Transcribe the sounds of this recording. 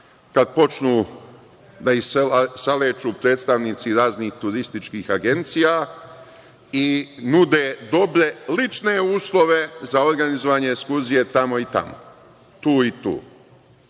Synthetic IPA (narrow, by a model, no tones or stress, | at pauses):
kad̪̚po̞t͡ʃnuː | d̪aisaleːt͡ʃuːpɾe̞ːt̪st̪aʋniːt̪siɾaːzniːxt̪uɾist̪it͡ʃkiːxaɡe̞nt̪sija | inud̪eːd̪o̞bɾe̞lit͡ʃne̞uːslˠo̞ʋe̞zao̞ɾɡanizoʋaːɲeːkskuɾzije̞t̪amo̞it̪a̰mo̰ | t̪uːit̪ṵː